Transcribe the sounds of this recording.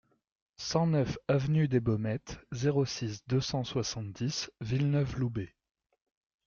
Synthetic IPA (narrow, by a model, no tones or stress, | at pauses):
sɑ̃nœfavnyd̪ebɔmɛt̪zeʁosisd̪øsɑ̃swasɑ̃t̪̚d̪isvilnœflube